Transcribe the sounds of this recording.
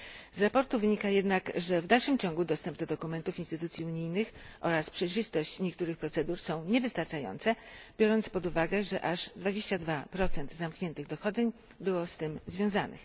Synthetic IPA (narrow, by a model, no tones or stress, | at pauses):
zɾapɔɾt̪uvɘɲikajɛd̪nakʐɛvd̪alʂɘmt͡ɕɔ̃ŋɡud̪ɔst̪ɛmb̚d̪ɔd̪ɔkumɛnt̪ufinst̪ɘt̪ut̪sʲjiuɲijnɘxʔɔ̰ɾaspʂɛjʐɘst̪ɔɕt͡ɕɲɛkt̪uɾɘxpɾɔt̪sɛd̪uɾsɔ̃w̃ɲɛvɘst̪aɾt͡ʂajɔ̰nt̪sɛbʲjɔɾɔnt̪spɔd̪uvaɡɛʐɛʔaʐd̪vad͡ʑeɕt͡ɕad̪vapɾɔt̪sɛnd̪zamkɲɛnt̪ɘɣd̪ɔxɔd̪zɛɲ | bɘwɔst̪ɘmzvʲjɔ̃w̃zanɘ̰x